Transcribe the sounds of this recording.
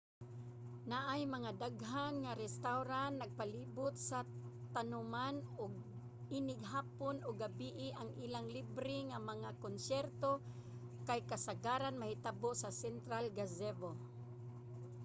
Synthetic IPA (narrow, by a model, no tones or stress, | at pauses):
naʔajmaŋad̪aɡɦanŋaɾɛst̪awɾanːaɡ̚paliːbʊt̪̚sat̪anʊmanʊɡ̚ | inɪɡɦaːponʊɡabiʔɪʔaŋʔilaŋlibɾɪŋamaŋakonsɛɾt̪o | kajkasaɡaɾanmahɪt̪aboʔsasɛnt̪ɾalɡazɛvo